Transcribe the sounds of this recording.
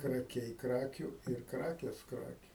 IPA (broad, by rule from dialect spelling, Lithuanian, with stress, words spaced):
krɐˈkʲɛɪ ˈkrɑːkʲuː ɪr ˈkrɑːkʲeːs ˈkrɑːkʲuː